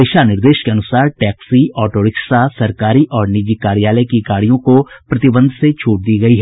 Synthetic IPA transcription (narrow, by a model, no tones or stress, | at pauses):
ɪʃanɪɾd̪eːʃkeɐnʊsaːɾʈɛːksiɔːʈoːɾɪksasɐɾkaːɾiʔɔːɾnɪd͡ʒikaːɾijaːləjkiɡaːɽijõkopɾɐt̪ɪbə̃nd̪ʱset͡ʃʰuːʈ̚d̪iːɡɐiɦɛ